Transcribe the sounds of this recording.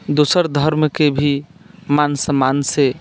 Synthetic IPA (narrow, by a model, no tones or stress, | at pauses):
d̪osəɾd̪ʱəɾmkebʱimansəmanse